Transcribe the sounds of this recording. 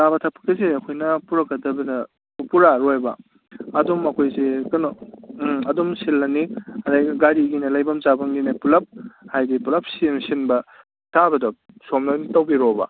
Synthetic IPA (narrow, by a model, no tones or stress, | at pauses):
tabɐtʰapʰɐ̥k̚ɐseɐkʰojnɐpuɾɐkːɐdɐbɐdɐ | puɾaɾojbɐ̰ | ɐdumːɐkʰojsekɯno | ɐdumsilːɐniɐdajɡaɾiɡinɐlajbɐmt͡ʃabɐŋɡinɐpulɐp̚hajdipulɐp̚simsinbɐ | tʰabɐdɐ | somnanitɐwbiɾobɐ̰